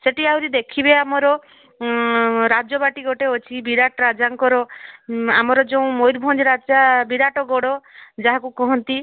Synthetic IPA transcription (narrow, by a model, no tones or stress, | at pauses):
seʈiawɾid̪ekʰibeamɔɾɔ | ɾad͡ʒɔbaʈiɡɔʈeot͡ʃʰibiɾaʈɔɾad͡ʒaŋkɔɾɔ | amɔɾɔd͡ʒeũmojɾbʱɔnd͡ʒɾad͡ʒabiɾaʈɔɡɔɽɔd͡ʒaɦakukɔɦɔnt̪i